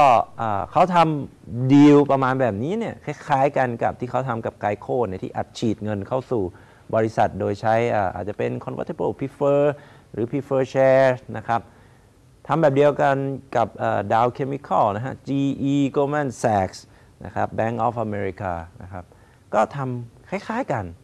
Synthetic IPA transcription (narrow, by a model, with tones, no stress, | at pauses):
kɔː˥˩ʔəː˨˩kʰa˦˥wt̪ʰa˧mdi˧wpɾa˧maː˧nbɛː˨˩p̚niː˦˥ni˥˩ɐkʰa˧˥˩jkʰaː˦˥jka˧nka˨˩p̚t̪ʰiː˥˩kʰa˦˥˩wt̪ʰa˧mka˨˩p̚kaː˧jkʰoː˥˩ni˥˩t̪ʰiː˥˩ʔaː˨˩t̪̚t͡ɕʰiː˨˩t̪̚ŋɤ˧nkʰa˥˩wsuː˨˩ | bɔː˧ɾi˦˥sa˨˩t̪̚doː˧jt͡ɕʰa˦˥jʔaː˨˩ʔa̰ː˨˩t̪̚t͡ɕa˨˩pe˧nkʰɔ˧nwa̰˧˦˥t̪ʰːa˧˦bə˥˩pʰi˦˥fɤː˧ | ɾɯː˩˦pʰi˦˥fɤː˧t͡ɕʰɛː˧na˦˥kʰɾa˦˥p̚ | t̪ʰa˧mbɛː˨˩p̚di˧əwka˧nka˨˩p̚ʔəː˨˩daː˧wkʰe˧mi˧kʰɔ˥˩wna˦˥kʰa˦˥t͡ɕiː˧ʔiː˧koː˧mɛ˥˩nsɛː˨˩k̚s | na̰˦˥kʰɾa˦˥p̚bɛː˦˥˩ŋʔɔː˦˥fʔa˧meː˧ɾi˧kaː˧na̰˦˥kʰa˦˥p̚ | kɔː˥˩t̪ʰa˧mkʰa˥˩jkʰaː˦˥jka˧n